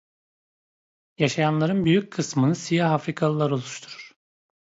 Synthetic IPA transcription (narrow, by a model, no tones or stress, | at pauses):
jaʃajanlˠaɾɯnbyjyc̚kʰɯsmɯnɯsijaɦafɾikʰalˠɯlˠaɾolˠuʃt̪ʰuɾuɾ̥